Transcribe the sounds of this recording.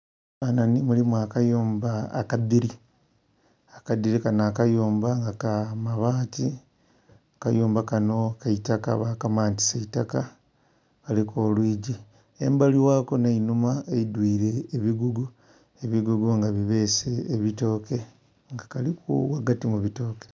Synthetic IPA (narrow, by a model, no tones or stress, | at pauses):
ananimulimuakajoːmbaːkadiɾi | akad̪iɾikanaːkajoːmbaŋɡakamaβaːti | aka̰joːmbakano̞kaitaka̰βakamaːnti̥seitaka | kalikolwiːɟi | ḛmbaliwaːko̞nainumaeidwiːɾe̞ːβiɡuɡu | eβiɡuɡuŋɡaβiβe̞ːseːβito̞ːke̞ | ŋɡakalikṵwaɡatimuβito̞ːke̥